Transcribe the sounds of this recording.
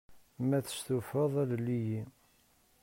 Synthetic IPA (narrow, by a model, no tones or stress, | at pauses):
mæθə̥st̪ufəðˤæðlːiji